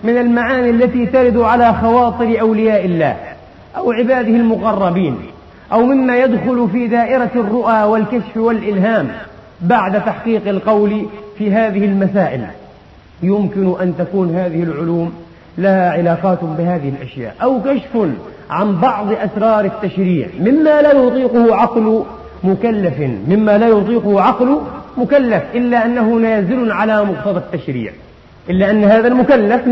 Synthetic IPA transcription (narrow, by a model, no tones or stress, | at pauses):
mɪnalmaʕaːniʔalːat̪iːt̪aɾɪd̪ʕalaxɑwɑːt̪ˤɨɾʔawlɪjaːʔɪlːa̰ːh | ʔawʕɪbaːd̪ɪhɪlmʊɣɑrˤːɑbiːn | ʔawmɪmːajad̪xʊlfiːd̪aːʔɪɾarːʊʔaːwalkaʃfwalʔɪlɦaːm | baʕd̪at̪aħqiːqɪlqɑwlfiːɦaːðɪhɪlmasaːʔɪl | jʊmkɪnʔant̪akuːnhaːðɪhɪlʕʊluːm | lahaʕɪlaːqɑːt̪bɪhaːðɪhɪlʔa̰ʃja̰ːʔawkaʃfʊn | ʕambɑʕðˤʔasɾˤɑːɾˤɪt̪ːaʃɾiːʕmɪmːalaːjʊt̪ˤiːqʊhʊʕɑql | mʊkalːafmɪmːalajʊt̪ˤiːqʊhʊʕɑqlʊmʊkalːafʔɪlːaʔanːahʊnaːzɪlʕalamʊqt̪ɑðˤɑt̪ːaʃɾḭːʕ | ʔɪlːaʔanːhaːðalmʊkalːaf